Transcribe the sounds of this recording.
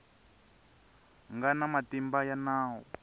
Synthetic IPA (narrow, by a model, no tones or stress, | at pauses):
ŋɡanamatimbajanaːɦɔ̰